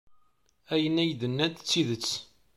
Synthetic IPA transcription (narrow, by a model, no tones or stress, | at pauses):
æjənæjd̪ənːæt̪t͡sːiðət͡sː